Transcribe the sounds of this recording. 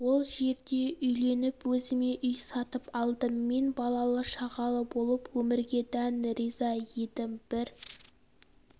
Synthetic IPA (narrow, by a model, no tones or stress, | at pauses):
wo̞lˠʒe̞ɾd̪e̞ʔʏjle̞nɪpwɵzɪme̞ʔʏjsɑt̪əpɑlˠd̪əmːe̞nbɑlˠɑlˠəʃɑʁɑlˠəbo̞lˠəpwɵmɪɾɡʲe̞d̪ænɾizɑje̞d̪ɪmb̥ɪɾ